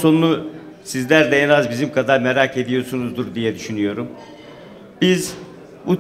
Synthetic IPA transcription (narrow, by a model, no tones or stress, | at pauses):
so̞nunˠusizlʲæɾd̪ɛenazbizimkʰad̪aɾmeɾaːkʰe̞d̪ijo̞sunuzd̪uɾd̪ijɛd̪yʃynyjo̞ɾum | biz | u